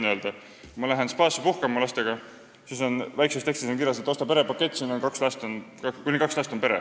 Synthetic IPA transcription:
nøld̪̥ɑ | kmɑlæɦe̞nspɑːsipuhkɑmɑlɑst̪e̞ɡ̥ɑ | siso̞nvæjksest̪ekst̪isoŋk̬irjɑs̬et̪ːˑo̞st̪ɑpe̞ɾepɑkːe̞t̪ʲˑːsiːnonkɑkslæst̪onɑkulʲiŋkɑkslæst̪ompe̞ɾe

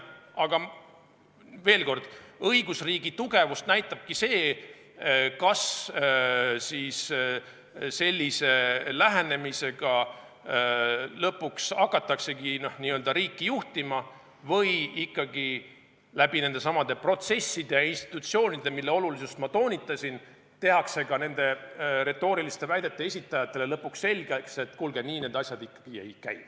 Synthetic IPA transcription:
ɑɡ̥ɑ | ve̞ːlko̞rd̪̥ɤiɡ̥usriːɡ̥it̪uɡe̞vust̪næjt̪ːˑɑb̥̚kise̞ː | kɑs | siːs | se̞lʲːise̞læɦene̞mise̞ɡ̥ɑ | lɤpːˑuksɑkːˑɑt̪ːˑɑkse̞ɡinohniːøld̪ɑɾiːkːijuht̪imɑ | vɤjikːɑɡi | læb̥ine̞nd̪e̞sɑmɑd̪̥e̞pro̞t̪se̞sːid̪̥e̞jɑinst̪i̥t̪ːˑut̪sio̞ːnʲid̪̥e̞milːe̞o̞lulisust̪mɑt̪o̞ːnʲit̪ːˑɑsʲin | t̪e̞ɦɑkse̞ɡɑne̞nd̪̥e̞ɾe̞t̪ːˑo̞ːɾilist̪e̞væjd̪̥e̞t̪ːˑe̞esʲit̪ːˑɑjɑt̪ːˑe̞le̞lɤpːuksːe̞lʲɡ̥ekse̞t̪ːˑkulɡ̥e̞niːne̞ːd̪ɑsʲjɑd̪̥ikːɑ̥ɡ̥iḛjkæj

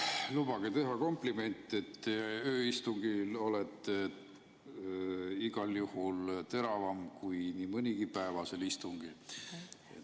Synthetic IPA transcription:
lub̥ɑɡ̥et̪e̞ɦɑko̞mplime̞nʲt̪ːˑe̞t̪ːøːist̪uŋɡ̥ilo̞let̪ˑ | iɡ̥ɑljuhult̪e̞ɾɑvɑmkujnimɤnʲiɡ̥ipæevɑse̞list̪uŋɡ̥il | ḛ

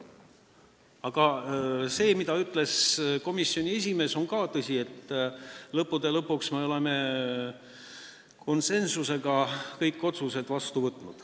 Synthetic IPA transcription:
ɑɡ̥ɑse̞ːmid̪ɑyt̪ːˑle̞sko̞misːio̞nʲie̞s̬ʲime̞ːso̞nkɑːt̪ɤsʲie̞t̪ː | lɤpːˑud̪̥e̞lɤpːuksmeo̞le̞me̞ | kʰo̞nse̞nsuse̞ɡɑkɤjkˑːo̞t̪suse̞d̪vɑst̪uvɤt̪ːˑnud̪̥

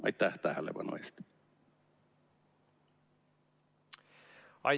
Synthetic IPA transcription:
ɑ̰itt̪æht̪æːhælḛʋɑ̰no̰ist̪ | ɑ̰

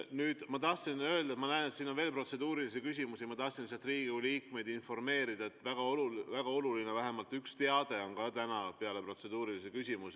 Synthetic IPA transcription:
nyːd̪̥mɑt̪ɑht̪sinø̞ld̪̥ɑet̪mɑnæenet̪siːnonve̞ːlpro̞t̪se̞d̪̥uːɾilisikys̬ʲimusimɑt̪ɑht̪sinːisɑt̪riːɡ̥iuliːkme̞jd̪̥info̞rme̞ːɾid̪ɑet̪ːˑvæɡ̥ɑoluvæɡ̥ɑo̞lulinevæɦe̞mɑlt̪ykst̪e̞ɑd̪̥e̞o̞nkɑt̪ænɑpe̞ɑle̞pro̞t̪se̞d̪uːɾilisikysʲimus

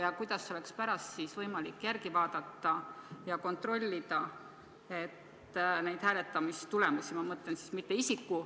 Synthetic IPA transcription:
jɑkujd̪̥ɑsːeo̞le̞kspæɾɑst̪siːsvɤjmɑlikːjærɡivɑːd̪̥ɑt̪ːɑjɑko̞nt̪ˑro̞lʲːid̪̥ɑ | e̞t̪ː | nejd̪̥hæːle̞t̪ːˑɑmist̪ule̞musimɑmɤt̪lensi̥smit̪ːe̞isikːu

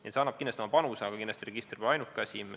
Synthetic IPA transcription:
ḭtseɑnːɑb̥̚kinːlest̪omɑpɑnuseɑɡɑkinːest̪ɾeɡ̥ist̪ɾibɑjnukːˑɑsʲim

